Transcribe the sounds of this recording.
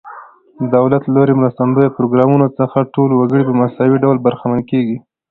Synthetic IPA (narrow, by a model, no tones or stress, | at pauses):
d̪əd̪awlat̪lloɾemɾəst̪and̪ojapɾoɡɾɑmunot͡səxaʈolowaɡəɽipəmasawiɖawlbaɾxamankeɡi